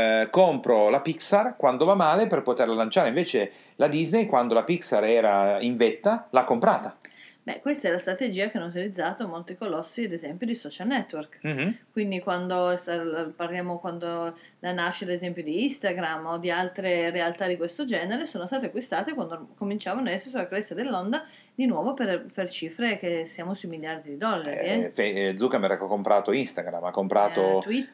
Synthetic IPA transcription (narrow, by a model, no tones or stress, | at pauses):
kompɾolapiksarkwand̪ovamːaːleperpot̪erlalant͡ʃaːɾeĩɱveːt͡ʃe | lad̪iznejkwand̪olapiksaɾɛːɾaiɱvet̪ːalakːompɾaːt̪abɛ̰kwest̪aɛlast̪ɾat̪ed͡ʒiːakeanːout̪ilid̪zːaːt̪omolt̪ikolɔsːiad̪ezɛmpjod̪isɔt͡ʃalnɛt̪ːwɛrkkwind̪ikwand̪oɛst̪alparljaːmokwand̪o | lanaʃːelezɛmpjod̪iist̪aɡɾamːod̪ialt̪ɾerealt̪ad̪ikwest̪od͡ʒɛːneɾesoːnost̪aːt̪̬eakːwist̪aːt̪ekwand̪okomint͡ʃaːvanɛsːosulakɾɛsːad̪elːond̪a | d̪inwɔːvoperpert͡ʃiːfɾekesːjaːmosuimiljard̪id̪id̪ɔlːaɾiɛfed̪zuːkamɛɾakkompɾʔa̰t̪oinst̪aɡɾa̰mːakːompɾaːot̪ui